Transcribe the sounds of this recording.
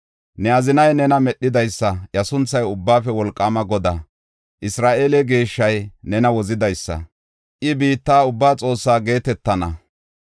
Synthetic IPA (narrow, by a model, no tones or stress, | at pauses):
nɛɐzɪnɐjnɛnɐmɛɗːɪd̪ɐjsːɐjɐsʊnt͡sːɐjʊbːaːfɛwɔlkʼːaːmɐɡɔd̪a | ʔɪsɾaːʔeːlɛɡeːʃːɐjnɛnɐwɔzɪd̪ɐjsːɐ̰ | ʔɪbiːt̪ːaːʊbːaːt͡sʼo̞ːsːaːɡe̞ːt̪ɛt̪ːɐnɐ